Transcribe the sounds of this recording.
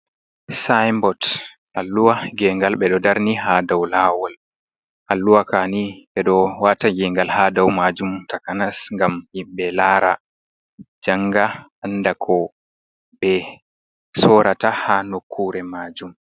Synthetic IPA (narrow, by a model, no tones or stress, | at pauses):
sajmbɔt | ʔalːuwaɡɛŋɡalɓɛɗɔdaɾniɦaːdawlaːwɔl | ʔalːuwakaniɓɛɗɔwatad͡ʒiŋɡalhaːdawmad͡ʒumtakanasŋɡamhimɓɛlaːɾa | d͡ʒaŋɡaandakʰɔ | bɛ | sɔɾatahanokʰːuɾɛmaːd͡ʒum